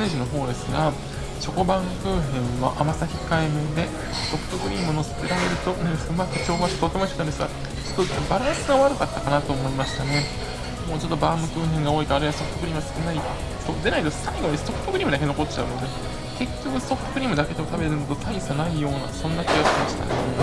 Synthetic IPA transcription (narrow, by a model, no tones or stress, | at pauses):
neʑino̞ɦo̞ːd̪e̞sɨɡa | ɕo̞kobãŋkɯ̟ːɦẽ̞ɰ̃βaʔamasaçʲikaimɯd̪e̞ | so̞ɸɯ̟̥t̪o̞ɡɯ̟ɾʲiːmɯ̟no̞sɨ̥t̪eɾaɾe̞ɾɯ̟t̪o̞neɸɯ̟makɯ̟t͡ɕo̞ːɡaɕat̪ot̪ːemoiɕikɯand̪esɨɡa | t͡ɕo̞t̪ːo̞baɾãɰ̃sɨɡaβaɾɯ̟kat̪ːakanat̪o̞ːmo̞imaɕi̥t̪ane̞ | mo̞ːt͡ɕo̞t̪ːobaːmɯ̟kɯ̟ːɦẽŋɡao̞ːikaːɾeβaso̞pɯt̪okɯ̟ɾiːmɯasɨ̥kɯ̟nai | soːd̪e̞nait̪osaiɡo̞ɲ̟ist̪o̞ɸɯ̟̥t̪o̞kɯɾʲiːmɯ̟d̪akeo̞ko̞t͡ɕːa̰ɯ̟̰no̞d̪e̞ | ke̞kʲːo̞kɯ̟so̞ɸɯ̥t̪o̞kɯ̟ɾʲiːmɯ̟d̪ake̞d̪e̞mo̞t̪abe̞ɾɯ̟not̪o̞t̪ʰaisanaijo̞ːna̰sõ̞nːakʲiɡasmaɕi̥t̪a̰d̪esɨne